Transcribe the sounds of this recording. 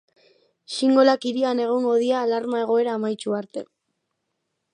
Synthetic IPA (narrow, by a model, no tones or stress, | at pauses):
siŋɡo̞lakiɾiane̞ɣ̞oŋɡo̞ð̞iaːlaɾmae̞ɣ̞o̞e̞ɾaːmajt͡ʃuaɾt̪e̞̰